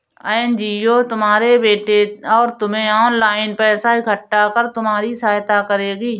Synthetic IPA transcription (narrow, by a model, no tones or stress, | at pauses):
aːnd͡ʒiːoːt̪ʊmɦaːɾebeːʈeɔːɾt̪ʊmẽɔːnlaːɪnpɛːsaɪkʰəʈːakəɾt̪ʊmaːɾisaːjt̪akəɾeːɡiː